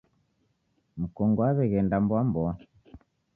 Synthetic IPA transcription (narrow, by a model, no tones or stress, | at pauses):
m̩kɔŋɡɔaβɛɣɛndambwambɔ